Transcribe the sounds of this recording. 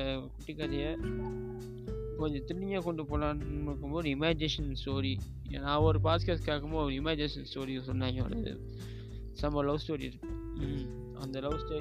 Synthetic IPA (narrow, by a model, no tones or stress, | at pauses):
kʊʈːikːɐɾɐjɐ | kɔɲd͡ʒɔ̃t̪ɪɽɪɲɐkɔɳɖɯpoːlamɪɾɯkːɯmboːðɯɪmaːd͡ʒɪneːʂɐnsʈoːɾi | ḛːnãːɐɾɯp̬aːskɐskaːkɯmoɾɪmaːd͡ʒɪneːʂɐnsʈoːɾisɔnːaːŋɡɐɔ̰ɾɯ̰ | sɐmɐlɐʋsʈoːɾḭɪɾɯkːɯ | ɐ̰nd̪ɐlɐʋstoː